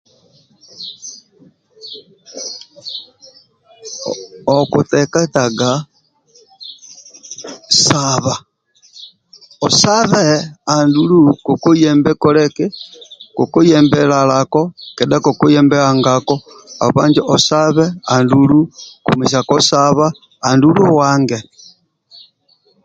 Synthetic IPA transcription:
okutekataɡa | saβa | osaβeandulukokojɛmbɛkolɛkekokojɛmbɛlalakokɛdakokojɛmbɛaŋɡako | a̰βaːɲd͡ʒiʔosaβɛandulukomis̬akosaβaː | nduluwaːŋɡe

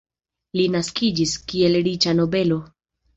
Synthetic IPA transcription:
linaskid͡ʒiskie̞lɾit͡ʃano̞be̞lo̞

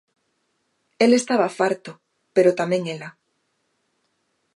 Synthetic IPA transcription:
elest̪aβafaɾt̪o | peɾot̪amẽŋela

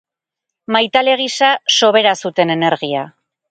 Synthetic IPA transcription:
majt̪ale̞ɣ̞isaso̞βe̞ɾasut̪e̞ne̞ne̞ɾɣia

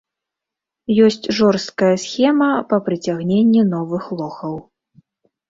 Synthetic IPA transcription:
jɔsʲt͡sʲʐɔrst̪̚kɐjɐsʲxʲɛmɐpɐpɾɨt͡sʲaɣnʲenʲːinɔvɨxlˠɔxɐw

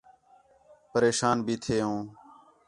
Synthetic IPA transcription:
pəɾeːʃaːnbʱiːt̪ʰeːõː

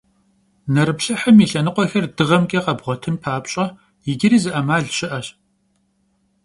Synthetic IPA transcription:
nɐɾɨpɬɐħəmiːɬɐnɨqʷʼɔxɐrdɨʁɐmkʼiːqɐbʁʷɔtʰɨnpʰaːpɕʼɐ | jɪɡʲɪɾiːzɨʔɐmaːɮɕɪʔɐɕ

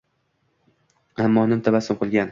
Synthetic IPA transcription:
amːɒnɪmt̪ʰabasɪmqʰɨlˠɡʲan

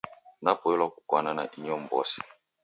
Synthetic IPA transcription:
napɔɛlwakukwanana̰ʔiɲɔmbɔ̰sɛ̥

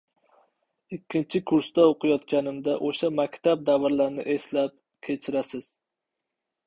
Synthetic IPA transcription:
ɪkʲʰːɪnt͡ʃʰɪkʰʊɾstd̪aoqʰɨjɒt̪kʲanɪmd̪aʔoʃamakʲt̪ʰab̚d̪avɪɾlaɾnɪ̰ʔe̞slap̚ | kʲʰet͡ʃʰɪɾasɪz̥

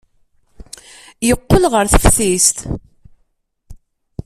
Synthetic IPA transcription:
jəqːəlʁəɾθəfθist̪

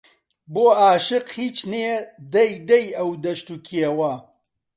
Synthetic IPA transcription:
boːaːʃɨqhiːt͡ʃneed̪ɐjd̪ɐjɐwd̪ɐʃt̪ukʰiewɐ

